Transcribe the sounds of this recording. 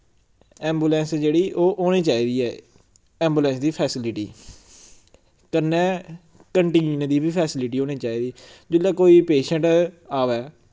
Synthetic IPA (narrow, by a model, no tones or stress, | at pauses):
ɛ̃ːmbuːlɛ̃ːnsd͡ʒeːɽiːʔoːʔoːɽ̃iːt͡ʃaːiːd̪iːɛː | ɛːmbuːlɛ̃ːnsd̪iːpʰɛːsɪlɪʈḭː | kənːɛ̃ː | kəɳʈĩːnnd̪iːbiːpʰɛːsɪlɪʈiːoːñĩːt͡ʃaːiːd̪iːd͡ʒɪlːaːkoːiːpeːʃə̃ɳʈaːʋɛː